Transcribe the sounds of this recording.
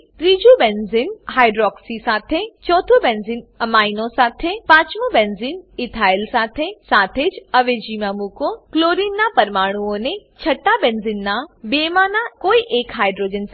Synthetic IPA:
t̪ɾiːd͡ʑubenzinɦaːɪɖɾɔːksisaːt̪ʰet͡ɕɔːt̪ʰobẽːnzinɐmaːinõsaːt̪ʰepaːt͡ʃmubenzinɪt̪ʰaːɪlsaːt̪ʰesaːt̪ʰeːd͡ʒɐʋed͡ʑiːmamũkokloːɾinːapɐɾmaːɽ̃uõnet͡ʃʰɐʈabẽːnzinːãbeːmaːnakoːiʔeːkɦaːɪɖɾoːd͡ʒens

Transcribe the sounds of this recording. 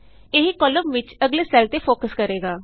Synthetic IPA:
eːɦikɔːləmʋɪt͡ʃəɡleːsɛːlt̪eːpʰoːkəskəɾeːɡaː

